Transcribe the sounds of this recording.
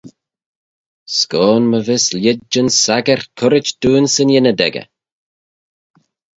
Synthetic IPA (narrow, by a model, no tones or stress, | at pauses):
skɔːnməvɪsljɪd͡ʒənsaɡəɹkʰʊɾɪt͡ʃd̪̥uːnsɪnjɪnəd̪ɛ̰ɡə̰